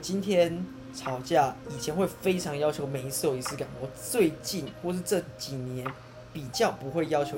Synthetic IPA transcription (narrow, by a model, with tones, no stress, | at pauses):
t͡ɕi˦nt̪ʰjɛ˥n | ʈ͡ʂʰɑ˨˧˥ʊt͡ɕja˥˩i˨˩t͡ɕʰjɛ˧˥nxwe˥˩ɪfe˥ɪʈ͡ʂʰɑ˧˥ŋjɑ˥ʊt͡ɕʰjo˧˥ʊme˨˩ɪi˧˥sɹ̩˥˩jo˨˩i˧˩sɹ̩˥ka˨˩nɔ˥t͡swe˥˧ɪt͡ɕi˥˩nxwɔ˥˧ʂɻ̩˥˧ʈ͡ʂɤ˥˨t͡ɕi˨˩njɛ˧˦n | pi˨˩t͡ɕjɑ˥˩ʊpu˧˥xwe˥˩ɪjɑ˥ʊt͡ɕʰjo˧˥